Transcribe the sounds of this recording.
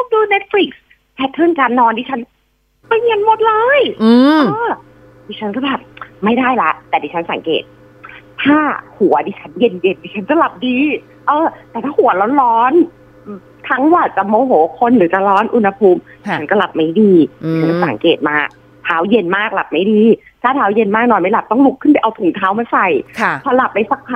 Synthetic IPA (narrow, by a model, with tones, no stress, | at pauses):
o˨˧˩k̚duː˧ne˦˥t̪̚fli˨˧˩k̚s | pʰɛ˦˥t̪ʰːɤ˥˩nkaː˧nːɔː˧ndiː˧˩t͡ɕʰa˦˥n | ma˧˩jje˧nmo˨˩t̪̚lɤː˧jːʔː | diː˧˩t͡ɕʰa˦˥nkɔː˥˩bɛː˨˩p̚ma˥˩jdaː˥˩jla˦˥ʔt̪ɛː˨˩diː˧˦t͡ɕʰa˦˥nsa̰˩˦ŋkḛː˨˩t̪̚ | t̪ʰaː˥˩hu˨˩˦ɐdiː˧t͡ɕʰa˦˥nje˧nje˧ndiː˧˩t͡ɕʰa˦˥nt͡ɕa˨˩la˨˩p̚diː˧ | ʔɤː˧t̪ɛː˨˩t̪ʰaː˥˩hu˨˩˦ɐlɔː˦˥nlɔː˦˥n | t̪ʰa˦˥ŋwaː˧˩t͡ɕa˨˩moː˧ɦoː˨˦kʰo˧nɾɯː˨˩˦t͡ɕa˨˩lɔː˦˥nʔu˧nha˧pʰuː˧˥mi˨˧˦a˦nkɔː˥˩la˨˩p̚ma˦˥˩jdiː˧iː˨t͡ɕʰa˦nksa̰˨˩˦ŋkeː˨˩t̪̚maː˧˩ | t̪ʰaː˦˥wje˧nmaː˥˩k̚la˨˩p̚ma˥˩jdiː˧ | t̪ʰaː˥˩t̪ʰaː˦˥wje˧nmaː˥˩k̚nɔː˧jma˥˩jla˨˩p̚t̪ɔ˥˩ŋlu˦˥kʰːɯ˥˩npa˧˨jʔa˧wt̪ʰu˨˩˦ŋt̪ʰaː˦˥wmaː˧sa˨˩jpʰɔː˧˩la˨˩p̚ʔa˧jsa˧˩k̚ʰ